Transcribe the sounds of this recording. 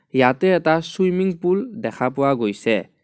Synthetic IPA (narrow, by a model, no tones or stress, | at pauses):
jatɛːtaswujmiŋpuldɛkʰapʊwaɡojsɛ